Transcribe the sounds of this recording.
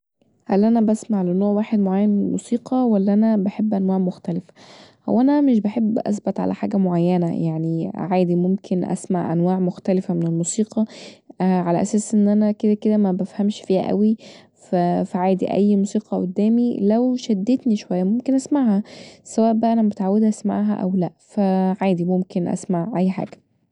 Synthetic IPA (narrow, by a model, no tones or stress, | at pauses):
hælʔænæbæsmaʕlenoːʕwaːħed̪moʕajːænlmṵsiːqɑwælːæʔænæbaħebːʔænwaːʕmoxt̪ælefæ̥ʔæ̰wʔænæmeʃ̬baħebːʔæ̰s̬bot̪ˤʕa̰læ̰ħa̰ːɡæmoʕajːænæ̰jaʕniʕaːd̪imomkʰenʔæ̰sma̰ʕʔæ̰nwaːʕmoxt̪ælefæmenelmuːsiːqʰɑ | ʕalæʔæ̰sæːsʔenːʔænæked̪æked̪æmæbæfhæmʃfiːhæ̰ʔæ̰wi | fæfæʕaːd̪ḭʔæ̰jːmuːsiːqɑʔo̰d̪ːæːmilæwʃæd̪ːet̪niʃowæjːæmomkenʔæsmaʕhæsæwæːʔbæʔænæmet̪ʕawːed̪ʔæsma̰ʕɦæ̰ʔæ̰wlæʔfæʕaːd̪imomkenʔæ̰smaʕʔæjːħa̰ːɡ̥æ̥